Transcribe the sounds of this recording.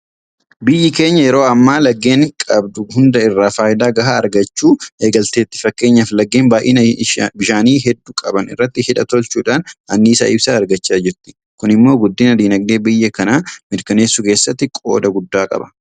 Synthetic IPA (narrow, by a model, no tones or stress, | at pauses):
bɪjːɪke̞ːɲːɐjɛɾo̞ːɐmːaːlɐɡːe̞ːŋkʼɐbd̪ʊhʊnd̪ɐɪrːaːfaːjɪd̪aːɡɐɦaːɐɾɡɐt͡ʃːuːʔe̞ːɡɐlt̪eːt̪ːɪ̥fɐkːe̞ːɲːɐflɐɡːeːnbaːjʔḛːnbɪʃaːniːɦɛd̪ːuːkʼɐbɐnɪ̰rːɐt̪ːɪhɪᶑɐt̪ɔlt͡ʃuːᶑaːnɐnːiːsɐ̰ʔɪbsaːɾɡɐt͡ʃːaːd͡ʒɪɾt̪ːɪ̥ | kʊnɪmːo̞ːɡʊd̪ːiːnɐd̪iːnɐɡ̚d̪e̞ːbɪjːɐkɐnaːmɪɾkɐne̞ːsːʊke̞ːsːɐt̪ːɪkʼo̞̰ːd̪ɐɡʊd̪ːaːkʼɐ̰bɐ̥